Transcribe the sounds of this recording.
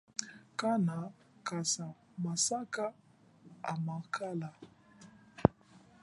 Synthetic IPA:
kana | kasa | masaka | a̰makʰala

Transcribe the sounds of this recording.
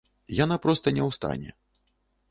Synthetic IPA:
janapɾɔst̪ɐnʲɛwst̪a̰nʲɛ̰

